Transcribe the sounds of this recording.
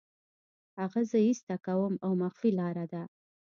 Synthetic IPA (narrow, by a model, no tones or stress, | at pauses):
haɣazəhist̪akawəmawmaxfilɑɾad̪a